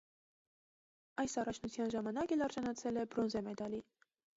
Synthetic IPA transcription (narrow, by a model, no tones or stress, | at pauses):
ɑjsɑrɑt͡ʃʰnut͡sʰjɑnʒɑmɑnɑkɛlɑɾʒɑnɑt͡sʰɛlɛbɾɔnzɛmɛd̪ɑli